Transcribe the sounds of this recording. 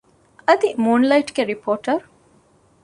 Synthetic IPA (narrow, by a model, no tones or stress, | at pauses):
ɐd̪imuːnlɐjʈɡeɾipʰoːʈɐɾ